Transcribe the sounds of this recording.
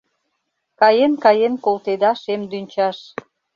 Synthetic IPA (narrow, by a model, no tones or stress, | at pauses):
kɑjenkɑjenkolt̪ed̪ɑʃemd̪ynʲt͡ɕɑʃ